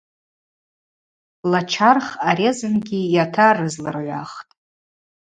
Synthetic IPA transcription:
lat͡ʃʰarχaɾezɨnɡʲijatʰarɨzlɨ̰rʕʷa̰χtʼ

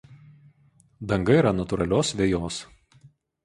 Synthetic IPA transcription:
d̪ɐŋɡɐiːˑɾɐnɐt̪ʊɾɐlʲoːsʋʲeːjoːs

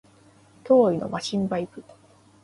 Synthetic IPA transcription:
t̪o̞ːino̞̰maɕĩmbaipɯ̟

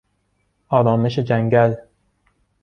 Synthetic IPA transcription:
ɒːɾɒːme̞ʃe̞d͡ʒæŋɟæl

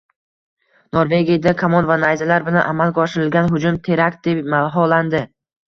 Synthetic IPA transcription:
noɾve̞ɡʲijad̪akʰamɒnvanajzalaɾbɪlaʔamalˠɡʲɒʃɪɾɪlɡʲanɦʊd͡ʒʊmt̪ʰe̞ɾak̚ʲd̪̥e̞pmalˠɦɒland̪ɪ

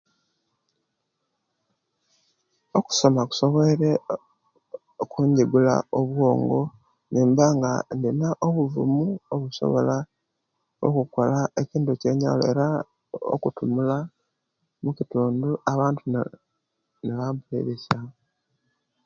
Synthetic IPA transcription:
o̞ku̥so̞maku̥so̞βeɾe | okuːɲɟeɡula̰oβwo̞ːŋɡo | niːmbaŋɡa̰ndinaʔoβuvṵmuoβuso̞̰βo̞̰la | o̰kuko̞laʔeciːndoce̞ːɲa̰loeɾa | o̰kutumula | mucituːnduaβaːntu | neβaːmbulḛβesa

